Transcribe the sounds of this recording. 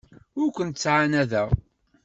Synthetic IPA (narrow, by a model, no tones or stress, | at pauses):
ʊɾkʷənt̪t͡sːʕanæðæ